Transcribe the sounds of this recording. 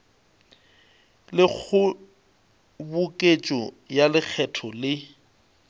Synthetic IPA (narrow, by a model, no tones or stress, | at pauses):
lɪk͡xʰʊ | bʊkʼet͡ʃʼɔ | jalɪk͡xʰɛtʰɔlɪ